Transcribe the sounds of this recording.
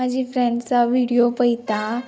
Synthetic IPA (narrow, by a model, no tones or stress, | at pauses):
ad͡ʑʱifɾɛɳɖt͡saʋiɽijopəjt̪a